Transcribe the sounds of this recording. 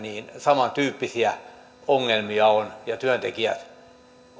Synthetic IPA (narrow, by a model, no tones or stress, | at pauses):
niːnsɑmɑnt̪yːpːisiæ | oŋːelmiɑonjɑt̪yønt̪ekiæ̰t̪